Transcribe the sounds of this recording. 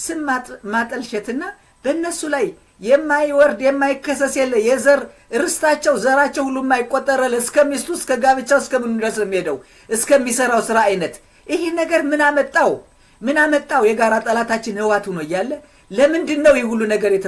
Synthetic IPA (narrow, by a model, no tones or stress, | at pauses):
sɨnmat̪ʼəlʃɛt̪ɨnːa | b̥əɨnːəsulajː | ɛmːajwɔɾd̪jɛmːajɪkːəsːəsjɛlːəjɛzəɾ | ɨɾɨst̪ʰat͡ʃːɛwzəɾat͡ʃːɛwhulːumːajɪkʼːot̪ʼːəɾalːɨskʰəmist̪ʰuskʰəɡaβɨt͡ʃːawɨskəmɨnud̪əslɛmːihed̪əw | ʔɨskʰəmːisəɾawsɨɾaːjnət̪ | ʔɪhinəɡəɾmɨnamət̪ʼːaw | mɨnamət̪ʼːawjɛɡaɾat̪ʼəlat̪ʰat͡ʃːɪnhɨwat̪hunojːalːə | ləmɨnd̪ɨnːəwjɛhulːunəɡəɾjɛt̪ʰə